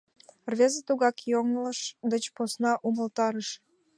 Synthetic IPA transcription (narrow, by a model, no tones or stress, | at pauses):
rvʲezət̪uɣɑkjoŋləʃd̪ət͡ɕposnɑʔuməlt̪ɑɾəʃ